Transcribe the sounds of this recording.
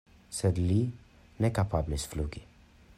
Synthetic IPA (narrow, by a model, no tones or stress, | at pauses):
sɛd̪li | nɛkapablisfluki